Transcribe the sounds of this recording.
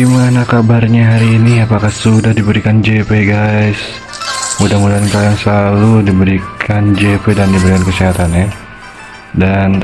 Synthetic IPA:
imanakabarɲaɦaɾiːniapakahsudahdibəɾikand͡ʒepeɡajs | mudamudankawjaŋsəlaludibəɾikʰand͡ʒepedandibəɾikankəsiɦat̪anja | dan

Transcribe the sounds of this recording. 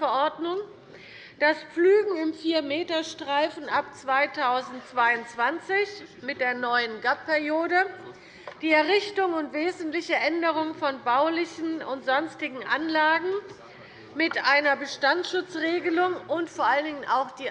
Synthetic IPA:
fɛɐʔɔɐdnʊŋ | d̥asp͡flyːɡŋ̩ɪmfiːɐmeːtɐʃtʁ̥aɪfn̩ʔapt͡sv̥aɪtʰaʊzn̩tt͡sv̥aɪʊntt͡sv̥ant͡sɪçmɪt̚d̥eːɐnɔʏənɡappʰɛʁjoːdə | d̥iːɛɐʁɪçtʊŋʊntv̥eːzn̩tlɪçəʔɛndəʁ̞ʊŋfɔnbaʊlɪçn̩ʊntz̥ɔnstɪɡŋ̩ʔanlaːɡŋ̩ | mɪtʔaɪnɐbəʃtant͡sʃʊt͡sʁeːɡəlʊŋʔʊntfoːɐʔaləndɪŋənʔa̰ʊxd̥iː

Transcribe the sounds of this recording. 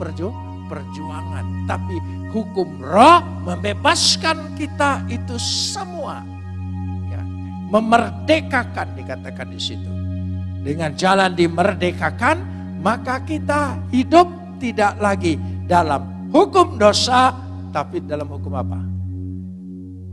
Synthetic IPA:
pərd͡ʒua | pərd͡ʒuaŋa̰nt̪api | hukʊm | rɔh | məmbebaskankit̪ait̪usəmua̰ | ja̰ | məmərdekakandikat̪akandisit̪udəŋand͡ʒalandimərdekakan | makakit̪ahidʊp̚t̪idaʔlaɡidalam | hukʊmdosa | t̪apidalamhukʊma̰pa̰

